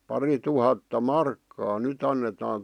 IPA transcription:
pɑrituhɑtːɑ mɑrkːɑː nyt ɑnːetɑːn

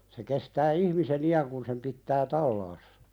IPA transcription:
se kestæː ihmisen iæŋ kun sem pitːæː tɑlːɑːsːɑ̥

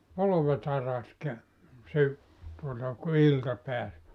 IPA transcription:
poloʋet ɑrɑks kæ sy tuotɑ ku iltɑ peæs

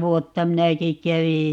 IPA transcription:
ʋuotːɑ minæki kæʋij

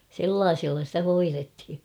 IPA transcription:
selːɑːɪsilːɑ stæ hoirethi

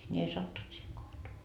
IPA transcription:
nʲi ei sɑtːunt siːheŋ kohtoɑ

